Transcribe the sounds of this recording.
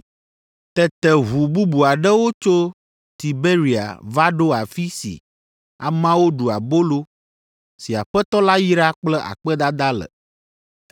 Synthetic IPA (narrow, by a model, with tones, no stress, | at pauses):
t̪ɛ˨t̪ɛ˨ɦu˨bu˦bu˨a˨ɖɛ˦wo˦t͡ʃo˦ | t̪i˨be˦ɾi˨a̰˨va˦ɖo˦a˨fi˦sḭ˨ | a̰˨mã˦wo˦ɖu˨a˨bo˦lo˦ | si˨a˨ɸɛ˦t̪ɔ˦la˦ji˦ɾa˦k͡plɛ˦ʔa̰˨k͡pɛ˦d̪a˦d̪a˦lə̰˨